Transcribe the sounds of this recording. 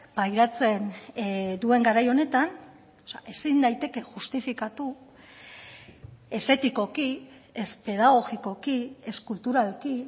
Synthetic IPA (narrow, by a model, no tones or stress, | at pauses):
bajɾat͡se̞n | d̪ue̞ŋɡaɾajo̞ne̞t̪an | seaʔe̞sind̪ajt̪e̞ke̞ʝust̪ifikat̪u | e̞se̞t̪iko̞ki | espe̞ðaɣ̞o̞ɣiko̞kie̞skult̪uɾalki